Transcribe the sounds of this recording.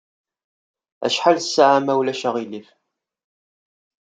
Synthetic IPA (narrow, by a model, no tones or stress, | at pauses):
æ̰ʃħalsːaʕamæwlæʃæʁilif